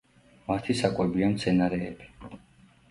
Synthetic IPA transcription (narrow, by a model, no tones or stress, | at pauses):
mat̪ʰisakʼwɛbiamt̪sʰɛnaɾɛːbi̥